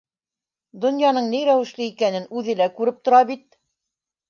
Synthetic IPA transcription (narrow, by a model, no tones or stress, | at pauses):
d̪ŏnjɑnɤɴnijɾæwɘ̆ʃlɘikænɘnʉðɘ̆lækʉɾɘp̚t̪ŏɾɑbit̪̚